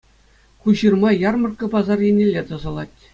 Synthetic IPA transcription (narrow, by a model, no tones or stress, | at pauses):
χuɕɯrmɑjɑrmɤ̆rkɤ̆pɑzɑrjenʲelʲːet̪ɤ̆zɤ̆lˠɑtʲ